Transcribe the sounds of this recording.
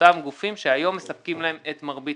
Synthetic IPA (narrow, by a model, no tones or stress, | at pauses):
tamɡufimʃeajo̞mːe̞sɐp̚kimlae̞met̪maʁbi